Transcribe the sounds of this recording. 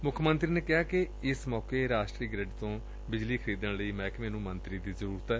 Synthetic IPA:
mʊkʰmənt̪ɾiːneːkɪɦaːkɪ | ɪsmɔːkeːɾaːʃʈɾiːɡɾəɖt̪õː | bɪd͡ʒliːkʰəɾiːd̪ənləiːmɛ̃ːkmɛːnũːmənt̪ɾiːd̪iːzəɾuːɾət̪ɛː

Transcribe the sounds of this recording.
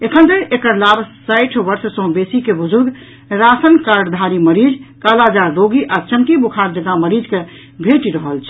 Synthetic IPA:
ekʰənd̪eɾekəɾlabsəɪʈʰʋəɾssə̃ɦbesikebəd͡ʒuɾɡ | ɾasənkaɾɖd̪ʱaɾiməɾid͡ʒkalad͡ʒaɾːoɡiʔat͡ʃəmkibukʰaɾd͡ʒəɡaməɾid͡ʒke | bʱeʈiɾəɦəlt͡ʃʰɛ

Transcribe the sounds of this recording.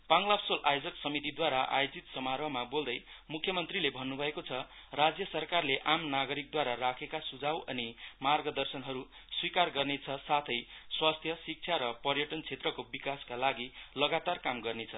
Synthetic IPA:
b̥aŋlapʰsolʔajod͡zʌksʌmit̪̬id̪waɾaʔa̰jod͡zit̪sʌmaɾʌmabold̪ʌjmukʰːjʌmʌnt̪rilebʱʌnːubʱʌekot͡sʰʌrad͡zjʌsʌrkarleʔamnaɡʌɾik̚d̪waɾarakʰekasud͡zawʌnimarɡʌd̪ʌrsʌnɦʌɾu | swikarɡʌrnet͡sʰʌsat̪ʰʌjswast̪ʰjʌsik̚t͡sʰjaɾʌpʌrjʌʈʌnt͡sʰet̪rʌkobikaskalaɡilʌɡat̪arkamɡʌrnet͡sʰʌ

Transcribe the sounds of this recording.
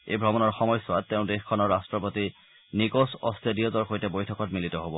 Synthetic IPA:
ḛjbʱɹɔmɔnɔɹxɔmɔjsɔatːeʊ̃dexkʰːɔnɔɹːastɹɔpoti | nikosɔ̰stʰedijɔzɔɹxʰojtɛbojtʰɔkɔtmilitɔɦobɔ

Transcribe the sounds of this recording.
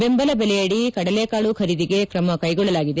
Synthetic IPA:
be̞mbɐlɐbelɛjɐɽikɐɽɐleɐkaːɭukʰɐɾid̪iɡe̞kɾɐmɐkɐjɡɔɭːɐlaːɡid̪e

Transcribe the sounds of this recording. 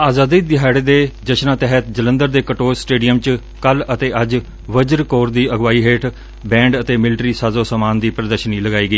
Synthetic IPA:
aːzaːd̪iːd̪ɪɦaːɽeːd̪eːd͡ʒəʃnãːt̪ɛɦət̪d͡ʒələ̃nd̪əɾd̪eːkəʈoːɾsʈeːɖɪjəmt͡ʃ | kələt̪eːəd͡ʒ | ʋəd͡ʒəɾkoːɾd̪iːəɡʋaːiːɦeːʈʰ | bɛ̃ːɳɖət̪eːmɪlʈɾiːsaːzoːsaːmaːnd̪iːpɾəd̪əɾʃniːləɡaːiːɡəiː

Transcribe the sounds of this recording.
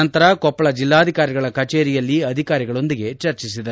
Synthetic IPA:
ɐnt̪ɐɾɐkɔpːɐɭɐd͡ʒilːaːd̪ʱikaːɾiɡɐɭɐkɐt͡ʃeːɾijɐlːiɐd̪ʱikaːɾiɡɐɭo̞nd̪iɡe̞t͡ʃɐɾt͡ʃis̬id̪ɐɾ

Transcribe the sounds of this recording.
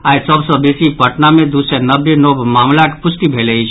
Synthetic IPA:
aisəbsɔ̃besipəʈnamẽd̪usenəbenobmaːmlakpʊsʈibʱeleit͡ʃʰ

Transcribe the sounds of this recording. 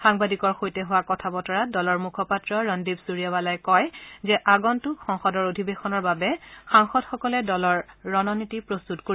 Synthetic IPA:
xaŋbadikɔɹxojtɛɦʊwakɔtʰabɔtɔɹadɔlɔɹmukʰɔpatɹɔɹɔndibsuɹijaβalajkɔjzɛʔaɡɔntʊxɔŋxɔdɔɹodʱibexɔnɔɹbabɛxaŋxɔdxɔkɔlɛdɔlɔɹːɔnɔnitipɹostutkoɹi

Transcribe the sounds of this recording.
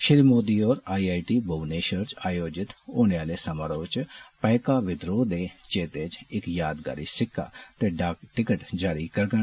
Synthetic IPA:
ʃɪɾiːmoːd̪iːɔːɾaːiaːiʈiːboːʋneːʃəɾt͡ʃaːjoːd͡ʒɪt̪oːɽ̃eaːleːsəmaːɾoːt͡ʃpɛːkaːʋɪd̪ɾoːd̪eːt͡ʃeːt̪eːt͡ʃɪkjaːd̪ɡa̰ːɾiːsɪkʰːa̰ːt̪eːɖaːkʈɪkəʈd͡ʒaːɾiːkəɾɡə

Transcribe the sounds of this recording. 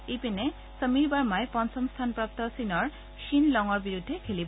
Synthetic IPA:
epene | səmiɾbaɹmaepɔnt͡ɕɔmst̪ʰanpɾap̚t̪ɔsinɔɹ | ʃinlɔŋɔɾbiɾud̪ʱːekʰelibɔ

